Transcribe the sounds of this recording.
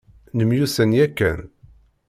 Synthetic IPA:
nəmjusænjækːæ̰n

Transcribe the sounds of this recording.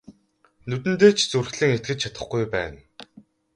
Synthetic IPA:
nɵt̪ɘ̆nt̪̬eːt͡ɕʰt͡surxɮɘ̆ŋet̪̚ɡɘ̆t͡ɕ̚t͡ɕʰḁt̪ə̆χɡujpæ̰ːn

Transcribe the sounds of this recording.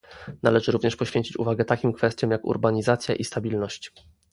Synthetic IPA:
nalɛʐɘɾuvɲɛʂpɔɕfʲeɲt͡ɕit͡ɕṵvaɡɛt̪akʲimkfɛst̪ʲjɔ̃mjakṵɾbaɲizat̪sʲjaʔist̪abʲilnɔɕt͡ɕ

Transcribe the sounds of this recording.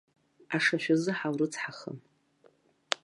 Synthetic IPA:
aʂaʃʷᶣazɨħawrɨt͡sʰħaχə̰m

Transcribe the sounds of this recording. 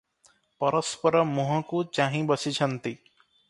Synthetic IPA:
pɔɾɔspɔɾɔmuɦɔ̃kut͡ʃaɦĩbɔsit͡ʃʰʌnt̪i

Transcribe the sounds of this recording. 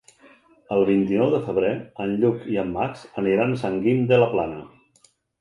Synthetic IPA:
əlˠβint̪inɔwðəfəβ̞ɾeənʎukiəmːaksəniɾansəŋɡimd̪ələplanə

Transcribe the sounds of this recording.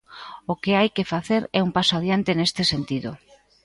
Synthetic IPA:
okeajkefaθeɾɛumpasoaðjant̪enest̪esent̪iðo̰

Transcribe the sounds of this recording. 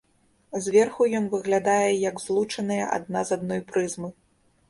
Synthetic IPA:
zʲvʲɛrxujɔnvɨɣlʲad̪ajɛjɐɡzlˠut͡ʂɐnɨjɐ̰ʔa̰d̪̚nazad̪̚nɔjpɾɨzmɨ

